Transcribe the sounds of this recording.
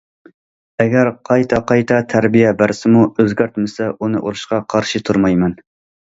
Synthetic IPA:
ɛɡʲæɾqʰɑjt̪ʰɛqʰɑjt̪ʰɛt̪ʰæɾbijɛbæɾsɪmuøzɡʲæɾt̪mɪsɛʔunɨʔuɾuʃqɑqʰɑɾʃit̪ʰuɾmɑjmɛn

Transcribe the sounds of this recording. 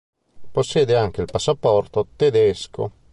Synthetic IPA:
posːjeːd̪eaŋk̟eilpasːapɔrt̪ot̪ed̪ɛskʰo̰

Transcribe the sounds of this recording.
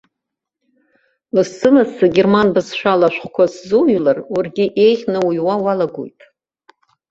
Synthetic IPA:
lɨsɨlasɨɡʲe̞rmanbɨzʃʷᶣalaʃᶣʷχʷkʷʰaszuɥlararɡʲɪʔe̞jχʲnɨujwawalaɡo̰jtʼ

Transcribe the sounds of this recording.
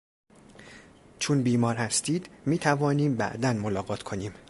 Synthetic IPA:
t͡ʃʰunbiːmɒːɾhæst̪iːd̪miːt̪ʰævɒːniːmbæ̰ʔd̪ænmolɒːɡɒːt̪ʰkʰo̞niːm

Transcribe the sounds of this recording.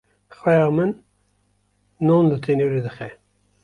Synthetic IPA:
xwɛjɑːmɨn | onlut̪ʰenoɾed̪ɨxɛ

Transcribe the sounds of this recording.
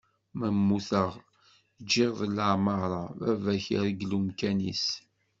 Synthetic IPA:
məmːuθəʁ | d͡ʒːiʁðələʕmɑɾˤɑævæçəɾɡlumkænḭs

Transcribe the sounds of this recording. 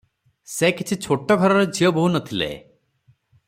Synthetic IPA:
sekit͡ʃʰit͡ʃʰoʈɔɡʱɔɾɔɾɔd͡ʒiɔbuɦunɔt̪ʰilḛ

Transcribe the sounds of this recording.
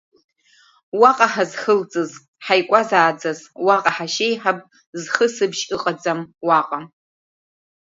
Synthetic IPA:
waqʼaħazχəlt͡sʼɨz | ħajkʷʼazaːd͡zazwaqʼaħaʃejħapʼ | zχəsɨbʃɨqʼad͡zamwaqʼam

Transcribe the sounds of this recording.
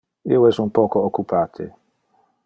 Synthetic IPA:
iwɛsunpɔkookːupaːt̪ʰɪ̰

